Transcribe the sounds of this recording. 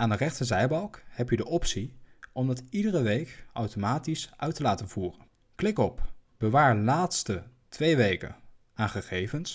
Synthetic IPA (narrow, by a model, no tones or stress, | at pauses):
ʔaːndərɛχtəzɛjbɑlˠkhɛpjədəʔɔpsiʔɔmdɑtidərəʋejkɑwtomaːtisʔœɥtəlaːtənv̥uːrən | klɪkɔpb̥əʋaːɹlaːtstə | tʋejʋejkə̰n | aːnχəχejvəns